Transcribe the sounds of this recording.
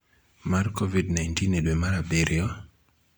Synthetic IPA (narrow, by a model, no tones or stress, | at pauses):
markovidnajntinedwemaɾabeɾjɔ